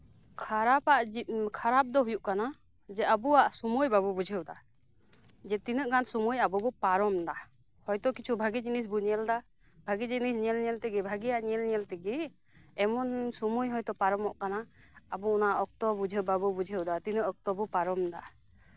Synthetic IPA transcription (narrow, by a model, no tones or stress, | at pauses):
kʰaɾapaʔkʰaɾap̚d̪ɔɦujuʔkana | d͡ʒɛabuaʔsumujbabɔbud͡ʒʱəwd̪a | d͡ʒɛt̪inəʔɡansumujabɔbɔpaɾɔmd̪a | hɔjt̪ɔkit͡ʃʰubʱaɡid͡ʒinis̬buɲɛld̪a | bʱaɡid͡ʒinisɲɛlɲɛlt̪ɛɡɛbʱaɡijaʔɲɛlɲɛlt̪ɛɡɛ | ɛmɔnsumujɦɔjt̪ɔpaɾɔmɔʔkanaː | bɔɔnaʔɔk̚t̪ɔbud͡ʒʱəbabubud͡ʒʱəwd̪at̪inəʔɔk̚t̪ɔbɔpaɾɔmd̪a̰